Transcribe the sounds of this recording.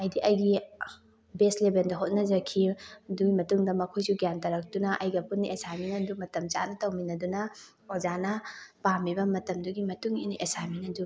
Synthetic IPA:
ɐjdiʔɐjɡi | beslebendɐɦot̚nɐzɐkʰidujmɐtuŋdɐmɐkʰojsuɡjantɐɾɐk̚tunɐʔɐjɡɐpuniʔesaminɐdumɐtɐmt͡ʃa̰ʔnɐtɐwminɐdunɐ | ozanɐpamibɐmɐtɐmduɡimɐtuŋiniʔesaminɐdu

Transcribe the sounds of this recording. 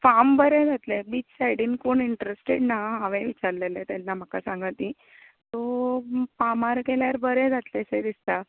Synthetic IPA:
fambəɾɛ̃d͡zʱat̪lebiːt͡ssajɽiːnkoɳiɳʈɾesʈeɽnaɦaʋẽʋit͡ɕaɾlelet̪anːam̤əkasãŋɡət̪ĩ | t̪ɔpamaɾkeljaɾbəɾẽd͡zat̪lesed̪ist̪a

